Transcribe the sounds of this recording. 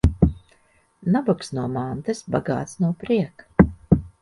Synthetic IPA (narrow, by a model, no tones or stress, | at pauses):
nabaksnuɔmant̪ɨsbaɡa̰ːt̪snuɔpɾiɛk